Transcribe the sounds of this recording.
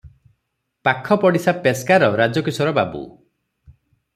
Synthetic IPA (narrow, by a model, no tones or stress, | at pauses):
pakʰːɔpɔɽisapeskaɾɔɾad͡ʒɔkisɔɾɔbabṵ